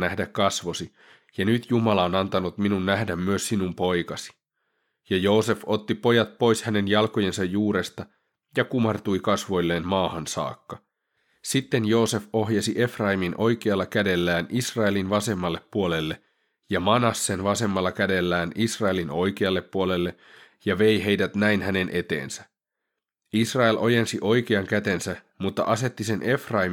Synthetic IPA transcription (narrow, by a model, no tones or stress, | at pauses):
næhdækkɑsʋo̞si | jɑnyt̪jumɑlɑonɑnt̪ɑnut̪minunːæhdæmːyøsːinumpo̞jkɑsi̥ | jɑjo̞ːse̞fo̞t̪ːipo̞jɑt̪̚po̞jshæne̞njɑlko̞je̞nsɑjːuːɾe̞st̪ɑ | jɑkumɑrt̪ujkɑsʋo̞jlːe̞ːnmɑːhɑnsɑ̰ːkːɑ | sit̪ːe̞njo̞ːse̞fo̞ɦjɑsiʔe̞frɑiminʔo̞jk̟eɑlːɑkæde̞lːæːnʔisrɑelinʋɑse̞mːɑlːe̞pːuole̞lːe̞ | jɑmɑnɑsːe̞nʋɑse̞mːɑlːɑkæde̞lːæːnisrɑe̞lino̞jkeɑlːe̞pːuole̞lːe̞ | jɑʋe̞jɦejdæt̪næjnhæne̞nʔe̞t̪e̞̰ːnsæ̥ | isrɑelʔo̞jensiʔo̞jkeɑŋkæt̪e̞nsæ | mut̪ːɑ̰ʔɑse̞t̪ːise̞nʔe̞frɑim